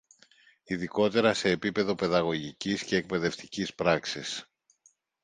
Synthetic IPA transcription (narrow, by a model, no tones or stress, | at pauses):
iðiko̞t̪e̞ɾɐse̞ːpipe̞ðo̞pe̞ðɐɣo̞ʝicisce̞ːk̚pe̞ðe̞ft̪icispɾɐksis